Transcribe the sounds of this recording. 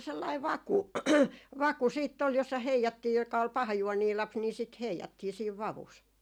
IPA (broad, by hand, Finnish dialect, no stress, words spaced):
selːɑi ʋɑku ʋɑku siːtː ol josːɑ heijɑtːiː jokɑ ol pɑhɑjuoniː lɑps ni sit heijɑtːiː siːʋ ʋɑʋus